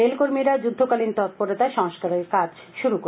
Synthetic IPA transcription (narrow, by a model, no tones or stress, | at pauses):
elkoɾmiɾad͡ʑud̪ʱːokalint̪ɔt̪̚poɾet̪aʃɔŋʃkaɾeɾkad͡ʑ | ʃuɾuko